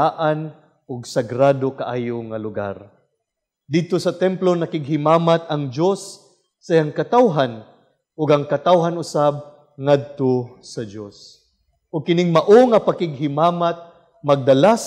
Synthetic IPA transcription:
aʔan | ʔʊɡsɐɡɾaːd̪okaʔaːjoŋɐlʊɡa̰ɾ | d̪ɪd̪̚t̪osɐt̪ɛmplonɐkɪɡɦɪmaːmat̪ɐŋd͡ʒosː | ɐʔijaŋkɐt̪awɦan | ʔʊɡɐŋkɐt̪awɦanʊsab̚ | ŋad̪̚t̪osɐd͡ʒos | ʔʊɡ̚kɪnɪŋmɐʔoŋɐpakɪɡ̚ɦɪmaːmat̪̚ | mɐɡ̚d̪ɐlas

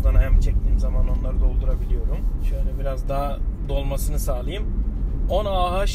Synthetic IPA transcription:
d̪anaɦɛmt͡ʃʰɛc̚t̪ʰiːmzamano̞nlˠaɾɯd̪o̞lˠd̪uɾabilʲijo̞ɾumʃønʲɛbiɾazd̪aːd̪o̞lˠmasɯnɯsaːlˠajɯmonaːɦaʃ

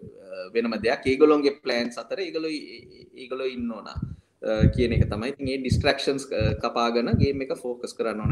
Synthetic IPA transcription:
ʋenəməd̪eakːeːɡoloŋɡeplæːɳsat̪əɾəeːɡoloieːɡoloinːoːna̰ | kijənekət̪amajit̪iŋeːɖisʈrækʂənskapaːɡənəɡeːmːekəfoːkəskəɾanːoːna

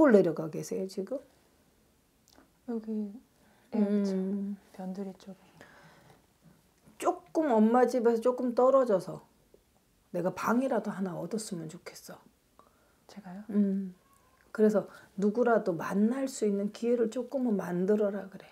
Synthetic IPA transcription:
oɭːe̞ɾjʌɡaɡesʰe̞jot͡ɕiɡɯm | joɡi | pjʌndɯɾit͡ɕ͈oɡ | t͡ɕ͈ok͈ɯmʌmːad͡ʑibesʰʌt͡ɕ͈ok͈ɯmt͈ʌɾʌd͡ʑʌsʰʌ | ne̞ɡapaŋiɾadoɦanaʌdʌs͈ɯmjʌnt͡ɕokʰe̞̥s͈ʌ | t͡ɕeɡajɯm | kɯɾe̞sʰʌnuɡuɾadoma̰nːaɭs͈uinːɯnkie̞ɾɯɭt͡ɕ͈ok͈ɯmɯmandɯɾʌɾaɡɯɾe̞

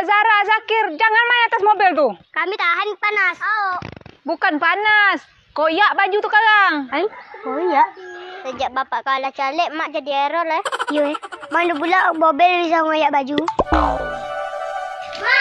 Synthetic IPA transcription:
zaɾazakɪrd͡ʒaŋanmaiat̪asmobɪlt̪ukamit̪aɦanpanasoʔbukanpanas | kojaʔbad͡ʒut̪ukaɣaŋaikojaʔsəd͡ʒaʔbapaʔkalat͡ʃalɛʔ̚maʔd͡ʒadieɾɔlaijoɛmandupulaʔmobɛlisaŋojaʔbad͡ʒu

